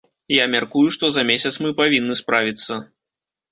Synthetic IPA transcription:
jamʲarkujuʂt̪ɔzɐmʲesʲɐt̪smɨpavʲinːɨspɾavʲit̪sːɐ

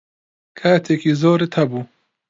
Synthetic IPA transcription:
kʰaːt̪ʰeːkiːzoːɾit̪ʰɐbuː

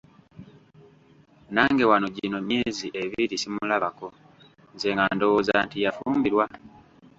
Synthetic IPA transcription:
naːŋɡe̞wanoɟino̞meziʔe̞βiɾisimulaβako̞ | nzeŋɡando̞wozaːntijafuːmbiɾwa

